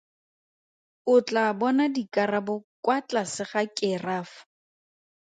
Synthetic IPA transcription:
ʊt͡ɬʼabɔnadikʼarabɔkwat͡ɬasɪχakʼɪraːfʊ̥

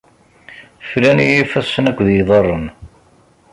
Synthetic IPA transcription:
flænijifæsːənækʷːðjiðˤərˤːən

